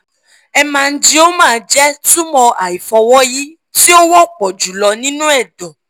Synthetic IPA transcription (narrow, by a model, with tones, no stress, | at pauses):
ɛ˧mã˨˧n̩˦d͡ʒi˦o˦mãː˦˨˧d͡ʒɛ˦tu˦mɔ̃˧ʔa˨i˨fɔ˧wɔ˦ji˦ | ti˦o˦wɔ˦˨k͡pɔ˨d͡ʒu˨lɔ˧nĩ˦nũ˦ɛ˦˨dɔ˨